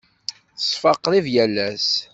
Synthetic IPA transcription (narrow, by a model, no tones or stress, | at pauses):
θəsˤfɑqːɾˤivjælːæs